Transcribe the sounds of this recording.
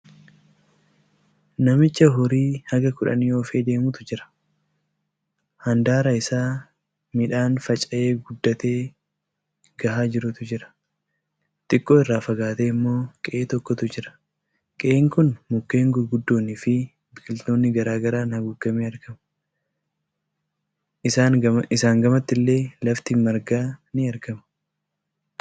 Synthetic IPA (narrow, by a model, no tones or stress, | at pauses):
nɐmɪt͡ʃːɐɦɔɾiːhɐɡɐkʊᶑɐ̰niːoːfe̞ːd̪e̞ːmʊt̪ʊd͡ʒɪɾɐ̥ | hɐnd̪aːɾɐɪsaː | mɪᶑaːnfɐt͡ʃʼɐʔe̞ːɡʊd̪ːɐt̪e̞ː | ɡɐhaːd͡ʒɪɾʊt̪ʊd͡ʒɪɾɐ̥ | t̪ʼɪkʼːoːɪrːaːfɐɡaːt̪eːɪmːo̞ːkʼɛʔeːt̪ɔkːɔt̪ʊd͡ʒɪɾɐ̥ | kʼɛʔeːŋkʊnmʊkːe̞ːŋɡʊɾɡʊd̪ːo̞ːnːiːfɪ | bɪkɪlt̪oːnːɪɡɐɾaːɡɐɾaːnhɐɡʊɡːɐmeːɐɾkɐmɐ | ʔɪsaːɐɪsaːŋɡɐmɐt̪ːɪlːe̞ːlɐft̪ɪmɐɾɡaːnɪɐɾɡɐmɐ̥